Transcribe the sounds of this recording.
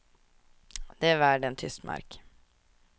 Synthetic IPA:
d̪̥ɛːʋæːɖɛnt̪ʰʏst̪mʔɑ̰ɾk

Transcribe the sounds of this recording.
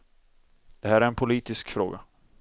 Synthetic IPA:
d̪̥ɛɦæːɾæɾɛnpʰʊliːt̪ɪskfɾo̰ːɡa̰

